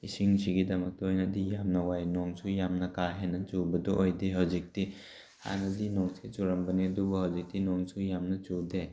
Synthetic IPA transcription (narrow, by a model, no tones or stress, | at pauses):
isiŋsiɡidɐmɐk̚tɐojnɐdijamnɐwajnɔŋsʰujamnɐkaɦenːɐt͡ʃubɐdɔʔojdiɦawzik̚ti | ha̰nɐdinɔŋsʰet͡ʃuɾɐmbɐnidubɐhawzik̚tinɔŋsujamnɐt͡ʃude